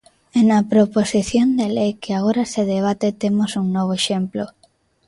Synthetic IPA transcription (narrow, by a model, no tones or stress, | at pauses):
ɛnɐpɾoposiθjond̪elejkeaɣ̞oɾaseðeβ̞at̪et̪emosuŋnɔβ̞oeʃemplo